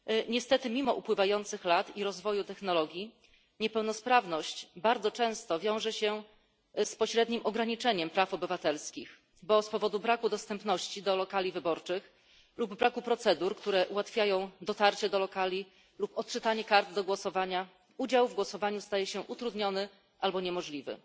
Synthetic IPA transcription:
ɲɛst̪ɛt̪ɘmʲimɔʔupwɘvajɔnt̪sɘxlat̪iɾɔzvɔjut̪ɛxnɔlɔɡʲji | ɲɛpɛwnɔspɾavnɔɕt͡ɕbaɾd̪zɔt͡ʂɛ̃w̃st̪ɔvʲjɔ̃w̃ʐɛɕɛ | spɔɕɾɛd̪ɲimʔɔɡɾaɲit͡ʂɛɲɛmpɾafɔbɘvat̪ɛlskʲix | bɔspɔvɔd̪ubɾakud̪ɔst̪ɛmpn̪ɔɕt͡ɕid̪ɔlɔkalʲivɘbɔɾt͡ʂɘx | lubːɾakupɾɔt̪sɛd̪uɾkt̪uɾɛʔuwat̪fʲjajɔ̃w̃d̪ɔt̪aɾt͡ɕɛd̪ɔlɔkalʲi | lupɔt̪t͡ʂɘt̪aɲɛkaɾt̪d̪ɔɡwɔsɔvaɲa | ud͡ʑawvɡwɔsɔvaɲust̪ajɛɕɛʔut̪ɾud̪ɲɔnɘ | ʔalbɔɲɛmɔʐlʲivɘ̰

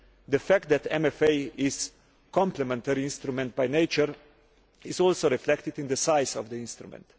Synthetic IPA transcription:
ðəfæk̚t̪̚d̪æt̪ɛ̃mɛfeɪɪz̥ | kʰɔ̃mplɛmɛ̃nt̪ɛɾiɪ̃nst̪ɾumɛ̃nt̪̚bajneɪt͡ʃəɾ | ɪzɔlˠsoɾiflɛk̚t̪ɪd̪ɪ̃nd̪əsaɪzɔvðəɪ̃nst̪ɾṵmɛ̰̃nt̪

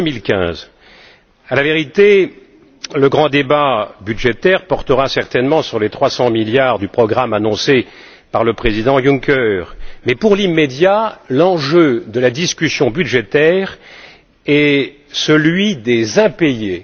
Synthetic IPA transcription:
milkʲɛ̰̃z | alaveʁit̪e | ləɡʁɑ̃d̪ebabyd̪ʒet̪ɛʁpɔʁt̪əʁasɛʁt̪ɛnmɑ̃syʁlet̪χwasɑ̃miljaʁd̪ypχɔɡʁamanɔ̃se | paʁləpχezid̪ɑ̃juŋkʲœʁmɛpuʁlimːed̪jalɑ̃ʒød̪əlad̪iskʲysjɔ̃byd̪ʒet̪ɛʁ | ɛ | səlɥid̪ezɛ̃peje

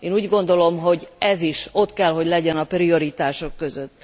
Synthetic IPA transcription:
eːnuːɟɡo̞nd̪o̞lo̞mɦo̞ɟɛziʃo̞t̪kɛlɦo̞ɟlɛɟɛnɒprio̞ɾit̪aːʃo̞kːø̞zøt̪ː

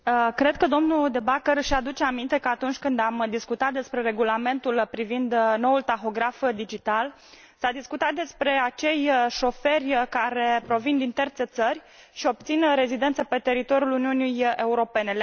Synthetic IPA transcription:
kɾe̞d̪̚kəd̪o̞mnud̪e̞bakəɾʃad̪ut͡ʃeamint̪e̞kəat̪unt͡ʃʲkɨnd̪amd̪iskut̪at̪̚d̪e̞spɾe̞ɾe̞ɡulame̞nt̪ulpɾivind̪no̞ult̪axo̞ɡɾafd̪id͡ʒit̪al | sad̪iskut̪at̪̚d̪e̞spɾe̞at͡ʃe̞jʃo̞fe̞rʲkaɾe̞pɾo̞vind̪int̪ert̪se̞t̪sərʲ | ʃio̞b̚t̪sinɾe̞zid̪e̞nt̪səpe̞t̪e̞ɾit̪o̞ɾjuluniunijeuɾo̞pe̞ne̞

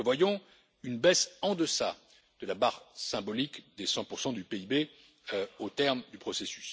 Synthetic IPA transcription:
əvwajɔ̃ | ynbɛsɑ̃d̪əsa | d̪̥əlabaʁsɛ̃bɔlikd̪esɑ̃puʁsɑ̃d̪ypeibe | ot̪ɛʁmd̪ypχɔsesy̥s

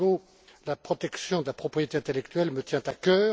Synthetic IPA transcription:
o | lapχɔt̪ɛksjɔ̃d̪əlapχɔpχijet̪eɛ̃t̪elɛkt̪ɥɛlmət̪jɛ̃t̪akʲœː

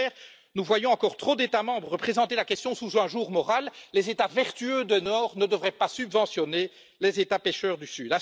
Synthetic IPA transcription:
ɛʁ | nuvwajɔ̃ɑ̃kɔʁt̪χod̪et̪amɑ̃bʁːəpχezɑ̃t̪elakʲɛst̪jɔ̃suzɛ̃ʒuːʁmɔʁalːezet̪avɛʁt̪yød̪ənɔːʁnəd̪əvʁɛpasybvɑ̃sjɔne | lezet̪apeʃœːʁd̪ysyːd̪a

